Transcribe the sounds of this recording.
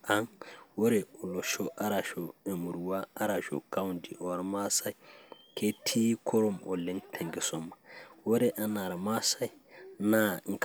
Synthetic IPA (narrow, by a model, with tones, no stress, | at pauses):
ʔa˦ŋwo˦ɾɛɔ˨lɔ˨ʃɔʔa˦ɾa˨ʃɔ˨ɛ˨mu˨ɾwa˦a˦ɾa˨ʃɔ̰ka˦wundi˨ʔɔ˨ɾma˦sa˦j | kʰe˦tʰi˦kʰɔ˦ɾɔ˦mɔ˨lɛ˦ntʰe˨ŋɡɛ˨sɔmːawo˦ɾɛʔa˨na˨ɾama˦sa˦jnaŋk